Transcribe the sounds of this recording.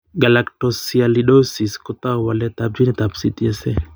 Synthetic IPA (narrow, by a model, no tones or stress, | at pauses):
ɡalakʈosialiɗosiskɔt̪awalɛt̪ap̚d͡ʒinɛt̪apsit̪iɛsɛ